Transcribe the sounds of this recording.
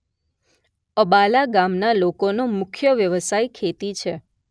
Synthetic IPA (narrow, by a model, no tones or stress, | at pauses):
əbalaɡamnalokonomʊkʰjəʋjəʋəsaikʰet̪it͡ʃʰe